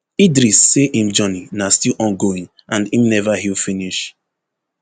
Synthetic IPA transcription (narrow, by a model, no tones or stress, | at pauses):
idɾisːeʔhĩmd͡ʒɔninastilʔɔ̃nɡoĩŋ | ʔãndĩmnɛvaɦilfiniʃ